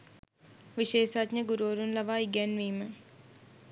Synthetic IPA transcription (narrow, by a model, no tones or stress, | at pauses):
ʋiʃeːʃatɲəɡuɾoːɾunlɐʋaːiɡɛnʋiːmə